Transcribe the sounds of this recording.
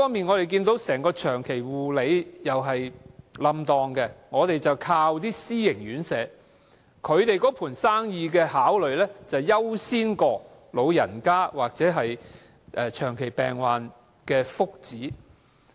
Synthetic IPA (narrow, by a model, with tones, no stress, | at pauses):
fɔː˥miː˨nŋɔː˨˧ɾe˨jk̬iː˧nt̪o˨˥wsɛː˨˩ŋkɔː˧t͡ʃʰœː˨˩ŋkʰe˨˩jwuː˨le˨˧jjɐ˨wɦɐ˨jlɐ˧mt̪ɔː˨ŋkɛ˧ŋɔː˨˧t̪e˨jt͡sɐ˨wkʰaː˧wt̪iː˥siː˥jɪ˨˩ŋjyː˨˥nsɛː˨˧˥ | kʰɵ˨˧ɥt̪e˨jkɔː˨˥pʰuː˨˩nsaː˥ŋjiː˧kɛː˧haː˨˥wlɵ˨ɥlɛː˥t͡sɐ˨˩wjɐ˥wsiː˥nkɔː˧ | lo˨˧wjɐ̰˨˩nkaː˥waː˨k̚t͡sɛː˨˥ɦɐ˨j | ʔɛː˨t͡ʃʰœː˨˩ŋkʰe˨˩jpɛː˨ŋwaː˨n | kɛː˧fʊ˥k̚t͡siː˨˥